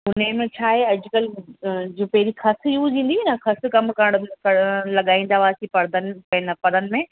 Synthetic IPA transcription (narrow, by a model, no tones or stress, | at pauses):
ʊnemẽt͡ɕʰaːɦeɐʄʊkəld͡ʑuːpɐɦɪɾixɐsjuʋĩːn̆d̪inɐxɐs̆kɐmkɐɾɽ̃kɐlɐɠaːĩːn̆d̪aʋaːsipɐɾd̪ənɪpɐ̃ɦɪ̃nɐpɐɾənɪ̆mẽ